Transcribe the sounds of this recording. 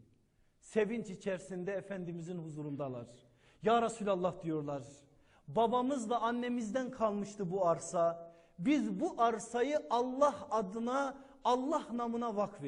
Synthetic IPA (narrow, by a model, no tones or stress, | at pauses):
sevint͡ʃit͡ʃʰæɾsind̪ɛːfænd̪imizinhuzuɾund̪ɑlˠɑ̰ɾ | jɑːɾɑsulʲɑlˠːɑhd̪ijoɾlˠɑɾ | bɑbɑmɯzlˠɑːnːɛmizd̪ænkʰɑlˠmɯʃt̪ɯbuɑɾsɑ | bizbuʔɑɾsɑjɯʔɑlˠːɑhɑd̪ɯnɑː | lˠːɑhnɑmɯnɑvɑkve